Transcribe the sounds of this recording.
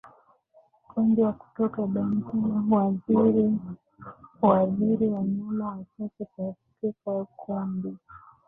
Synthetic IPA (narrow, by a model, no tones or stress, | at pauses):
kʰundiwaku̥tɔkaɓɛŋkiwaziɾi | waziɾiwaɲulaat͡ʃat͡ʃɛkafikɛkwaukʰumbi